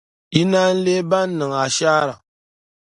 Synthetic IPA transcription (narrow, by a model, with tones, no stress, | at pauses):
i˦na˦n̩˦le˦ba˦nː˦ɨ˨ŋa˨ʃa˦ɾa˨